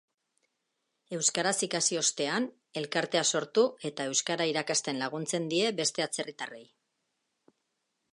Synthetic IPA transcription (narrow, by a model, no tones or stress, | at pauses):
e̞wskaɾasikasio̞st̪e̞an | e̞lkaɾt̪e̞aso̞ɾt̪ue̞t̪ae̞wskaɾaiɾakast̪e̞nlaɣ̞unt͡se̞nd̪ie̞be̞st̪e̞at͡se̞rit̪are̞̰j